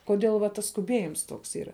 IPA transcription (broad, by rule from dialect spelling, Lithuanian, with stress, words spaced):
koːˈdʲeːlˠ ʋɐ ˈtɐs skʊˈbʲiɛjɪms ˈtoːks ˈiːrɐ